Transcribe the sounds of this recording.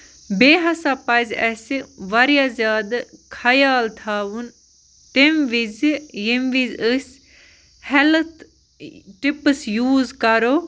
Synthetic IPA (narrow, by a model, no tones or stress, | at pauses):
beːɦɐsapɐzɛsiʋɐɾijaːzjaːd̪kʰajaːlt̪ʰaːʋun | t̪emʋizjimʋizəsʲ | hɛlt̪ʰ | ʈipsjuːzkɐɾoː